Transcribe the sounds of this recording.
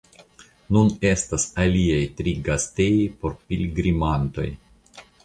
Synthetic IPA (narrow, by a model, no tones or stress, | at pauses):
nune̞stasaliajtɾiɡastejojpo̞ɾpilʲɡɾimanto̞̰j